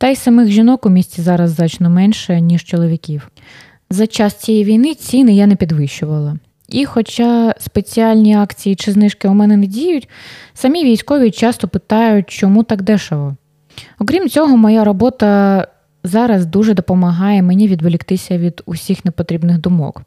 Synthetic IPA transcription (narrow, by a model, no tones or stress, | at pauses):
t̪ɛjsɐmɪxʒinɔkʊmʲisʲt͡sʲizɑɾɐzːɑt͡ʃnɔmɛnʃɛnʲiʃt͡ʃɔlˠɔʋʲikʲiw | zɐt͡ʃɑst͡sʲijijʋʲijnɪt͡sʲinɪjanɛpʲid̪ʋɪʃʊʋɐlˠɐ | ixɔt͡ʃɑspet͡sʲiɑlʲnʲiɑkt͡sʲijit͡ʃɪznɪʃkɪʊmɛnɛnɛdʲijʊtʲsɐmʲiʋʲijsʲkɔʋʲit͡ʃɑst̪ɔpɪt̪ɑjʊt̚ʲt͡ʃɔmut̪ɑkd̪ɛʃɐlˠɔ | ɔkɾʲimt͡sʲɔɦɔmɔjaɾɔbɔt̪ɐ | zɑɾɐzd̪uʒɛd̪ɔpɔmɐɦɑjɛmenʲiʋʲid̪ʋelʲikt̪ɪsʲɐʋʲid̪ʊsʲixnepɔt̪ɾʲibnɪɣd̪ʊmɔ̰k